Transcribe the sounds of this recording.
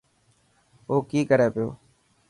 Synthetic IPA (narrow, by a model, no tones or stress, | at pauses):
oːkiːkəɾeːpɪjo̰ː